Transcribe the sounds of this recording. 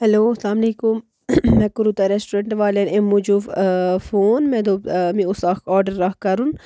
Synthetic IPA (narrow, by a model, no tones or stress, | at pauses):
ɦɛloːɐslaːmleːkʊmː | ɛ̃ːkʊɾuːt̪aɾesʈuɾẽɳʈʋaːleemud͡ʒuffoːnmɛ̃ːd̪oːmĩʊsakɔːɾɖəɾːɐkkɐɾun